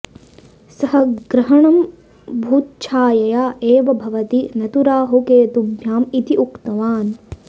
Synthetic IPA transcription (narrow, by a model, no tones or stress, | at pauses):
sɐɦɐ̆ɡɾɐɦɐɳɐm | bʱuːt̪̚t͡ʃʰaːjɐjaːʔeːʋɐbʱɐʋɐt̪inɐt̪uɾaːɦukeːt̪ubʱjaːmit̪iʔukt̪ɐʋaːn